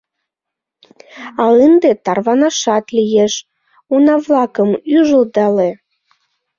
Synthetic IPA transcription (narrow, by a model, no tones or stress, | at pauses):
ɑənd̪et̪ɑrβɑnɑʃɑt̪lʲijeʃ | unɑβlɑkəmyʒəld̪ɑle